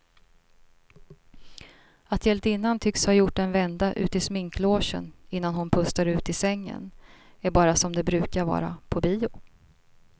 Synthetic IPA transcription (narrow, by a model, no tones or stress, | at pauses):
at̪ʰjɛlt̪ɪnːant̪ʰʏkshaːɾjʊʈːɛnvɛnd̪aʔʉ̟̰ːt̪ɪsmɪŋkloːʂə̰nɪnːanhʊnpʰɵst̪aɾʉ̟ːt̪ɪsɛŋːə̰n | æɾbɑːɾasɔmd̪ɛbɾʉ̟ːkaɾvɑ̰ːɾa̰pʰɔbiːʊ